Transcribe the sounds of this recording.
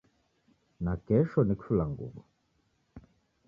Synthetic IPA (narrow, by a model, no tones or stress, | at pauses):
nakɛʃɔnikʰulaŋɡṵɡɔ